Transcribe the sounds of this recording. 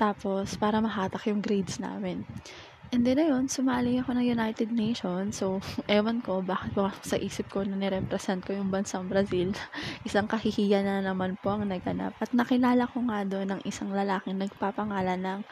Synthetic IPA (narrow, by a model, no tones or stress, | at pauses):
t̪aːpo̞spaːɾɐmɐɦaːt̪ɐkjʊŋɡɾejd̪sna̰ːmɪn | ʔɛnd̪ɛnːɐjo̞nsʊmaːlɪjɐko̞nɐŋjʊnajt̪ɛd̪̚nejʃo̞nsowʔɛːwɐnko̞baːkɪt̪̚bɐmasksɐʔiːsɪp̚ko̞nɐnɛɾɛpɾɛsɛnt̪̚ko̞jʊŋbɐnsaŋbɾɐsilʔɪsaŋkɐhihijanɐnɐmanpo̞ʔɐŋnɐɡʔɐna̰p̚ʔɐt̪̚nɐkɪlaːlɐko̞ŋad̪o̞nːɐŋʔɪsaŋlɐlaːkɪŋnɐɡ̚papɐŋaːlɐnɐŋ